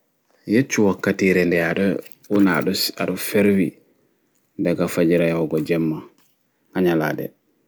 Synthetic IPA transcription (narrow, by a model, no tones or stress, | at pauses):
jet͡ʃːuwakːatiɾɛndɛjaɗɔ | una̰ɗɔsa̰ɗɔfeɾwi | daɡafad͡ʒiɾajɔɡɔd͡ʒɛmːa | haɲala̰dɛ̰